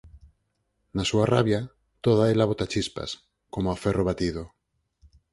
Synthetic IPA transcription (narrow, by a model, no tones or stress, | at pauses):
nasuaraβja | t̪oðaelaβot̪at͡ʃispa̰s | komoaferoβat̪ið̞o